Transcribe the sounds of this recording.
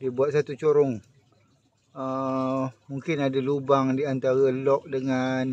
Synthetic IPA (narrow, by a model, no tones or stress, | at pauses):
diəbuat̪̚sat̪ut͡ʃoɾʊŋ | ə | muŋkɪnadalubaŋdiant̪aɣəlɔk̚dəŋan